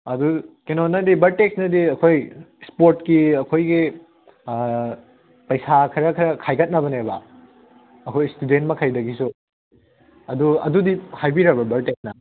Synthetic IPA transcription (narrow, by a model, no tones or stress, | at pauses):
ɐdukenonɐdibɐɾteksnɐdiɐkʰojspoɾtkiɐkʰojɡi | pɐjsakʰɐɾɐkʰɐɾɐkʰajkʰɐt̚nɐβɐnebɐ | ɐkʰojstudent̚mɐkʰajdɐɡisu | ɐduɐ̰dudihajbiɾɐbɐbɐɾtek̚snɐ